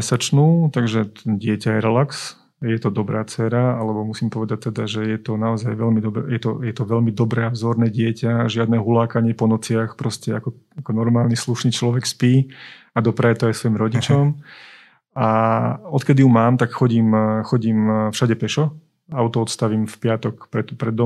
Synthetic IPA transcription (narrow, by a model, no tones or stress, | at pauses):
ɛsat͡ʃnut̪aɡʒɛɟɪɛcajɛɾɛlaks | jɛt̪ɔd̪ɔbɾaːt͡sɛːɾaalɛbɔmusiːmpɔʋɛd̪ac̚t̪ːɛd̪aʒɛjɛt̪ɔnaɔzajʋɛlmid̪ɔbɛ̰jɛt̪ɔ̰jɛt̪ɔʋɛʎmid̪ɔbɾɛːavzɔɾnɛːɟɪɛcaʒɪad̪nɛɦulaːkaɲɪɛpɔnɔt͡sɪaxpɾɔscɛakɔ | akɔnɔɾmaːlnisluʃniːt͡ʃlɔʋɛkspiː | ad̪ɔpɾajɛt̪ɔajsʋɔjimɾɔɟit͡ʃɔm | aɔt̪kɛd̪iumaːmt̪akxɔɟiːmxɔɟiːmfʃaɟɛpɛʃɔ | aʊt̪ɔɔt̪st̪aʋiːmfpɪat̪ɔkpɾɛt̪pɾɛd̪ːɔ